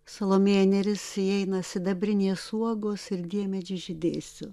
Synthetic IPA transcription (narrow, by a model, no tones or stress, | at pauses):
sɐlˠoːmʲeːnʲɛɾʲɪsiɛɪnɐsʲɪd̪ɐbʲɾʲɪnʲeːsuɔɡoːsɪɾd̪ʲiɛmʲɛd͡ʒʲɪʒʲɪd̪ʲeːsʲʊ